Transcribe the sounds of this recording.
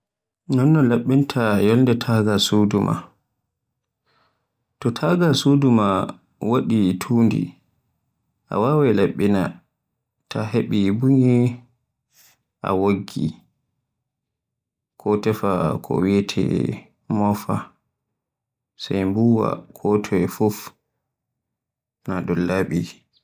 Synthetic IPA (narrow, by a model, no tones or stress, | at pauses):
nɔnːɔlaɓːintʰajɔlndɛtʰaɡasudumʔa̰ | tɔtʰaɡasuduma | woɗitʰuːndḭ | ʔa̰wawɛlaɓːina | tʰaɦeɓibuɲi | ʔa̰woɡːi | kʰɔtɛfakʰɔ̰wɛtʰɛ̰ | mɔfa̰ | sajmbuwa̰kʰɔtʰɔɛfuf | naɗɔlaɓi